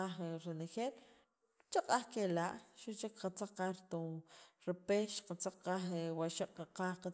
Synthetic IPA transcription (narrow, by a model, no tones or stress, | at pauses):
aχɾenexeːl | t͡ʃaqʼaχkelaʔʃuʔt͡ʃekqat͡saq͡χqaɾt̪uɾipeʃqat͡saq͡χqaχewaʃaʔʼqaqaːχqa